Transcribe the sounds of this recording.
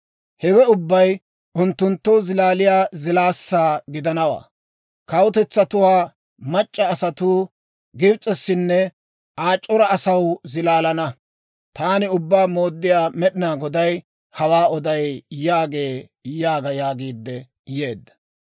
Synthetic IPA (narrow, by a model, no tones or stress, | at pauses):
hɛwɛʊbːɐj | ʔʊnt̪ːʊnt̪ːɔzɪlaːlɪjaːzɪlaːsːaːɡɪd̪ɐnɐwa̰ː | kɐwʊt̪ɛt͡sːɐt̪ʊwaː | mɐt͡ʃʼːɐːsɐt̪uː | ɡɪbt͡sʼɛsːɪnːɛ | ʔaːt͡ʃʼːɔɾɐɐsɐwzɪlaːlɐnɐ | t̪aːnɪʊbːaːmo̞ːd̪ːɪjaːmɛɗɪnaːɡɔd̪ɐj | hɐwaːɔd̪ɐjjaːɡeː | jaːɡɐjaːɡiːd̪ːɛ | jeːd̪ːɐ̥